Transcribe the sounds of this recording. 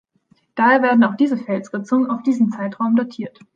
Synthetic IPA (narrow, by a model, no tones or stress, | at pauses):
d̥aːheːɐveːɐdn̩aʊxd̥iːzəfɛlsʁ̥ɪt͡sʊŋənaʊfd̥iːzəm̩t͡saɪtʁ̥aʊmdatʰiːɐt